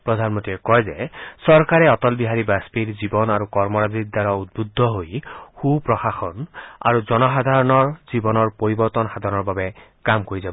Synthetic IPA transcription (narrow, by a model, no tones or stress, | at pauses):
pɹɔd̪ʱanmɔnt̪iɛkɔjzɛsɔɹkaɹɛɔt̪ɔlbiɦaɹibaspiɹzibɔnaɹukɔɹmɔɹazik̚d̪aɹɔut̪̚bud̪ʱːɔɦojxupɹɔxaxɔna̰ɹuzɔnɔxad̪ʱaɹɔnɔɹzibɔnɔɹpoɹibɔɾt̪ɔnxad̪ʱaɹɔnɔɹbabɛkamkoɹizabɔ